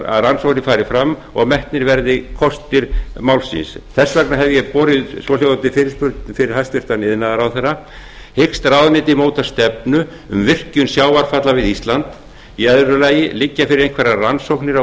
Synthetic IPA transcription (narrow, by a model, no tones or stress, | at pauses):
a̰ðransowhnɪfaːɾɪfɾamː | ɔɣmɛht̪nɪɾvɛɾðɪkʰɔst̪ɪɾ̥mawlsḭnsθɛsːvɛknaɦɛvjɛpɔːɾɪðsɔlɛɣt̪ɪfɪɾɪspʏɾt̪fɪɾɪɾ̥hajst̪ɪr̥t̪anɪðnaðaɾawθɛrːa | hekst̪ɾawðnɪːt̪̬ɪmoːwt̪ḁst̪ɛpnʏ | ʏ̰mvɪr̥cʏnsjaːwaɾ̥fat̪lavɪðist̪lant̪ | iɛðɾʏlaːjɪlɪcːafɪɾɪɾejnkʰvɛɾaransowknɪɾa